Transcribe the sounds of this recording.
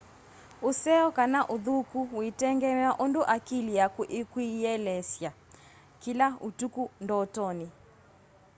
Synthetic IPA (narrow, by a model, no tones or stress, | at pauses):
usɛɔkanaʔuðukuwitɛŋɡɛmaʔɔnduʔakiliakuʔikwiɛlɛsja | kilautukundɔtɔni